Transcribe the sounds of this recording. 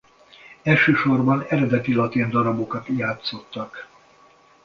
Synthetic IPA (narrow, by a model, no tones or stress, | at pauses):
ɛlʃøːʃo̞rbɒnɛɾɛd̪ɛt̪ilɒt̪ind̪ɒɾɒbo̞kɒt̪jaːt̪so̞t̪ːɒk